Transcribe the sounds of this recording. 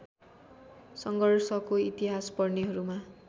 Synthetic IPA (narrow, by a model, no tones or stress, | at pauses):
sʌŋɡʌrsʌkoit̪iɦaspʌrneɦʌɾuma